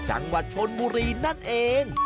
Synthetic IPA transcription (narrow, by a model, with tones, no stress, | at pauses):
t͡ɕa̰˧ŋwa˨˩t̪̚t͡ɕʰo˧nbuː˧ɾiː˧na˥˩nʔeː˧ŋ